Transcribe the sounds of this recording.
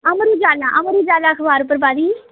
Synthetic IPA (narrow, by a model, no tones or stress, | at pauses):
əmɾuːd͡ʒaːlaʔəməɾuːd͡ʒaːlaːəkʰbaːɾʊp̬ːəɾbaːd̪iː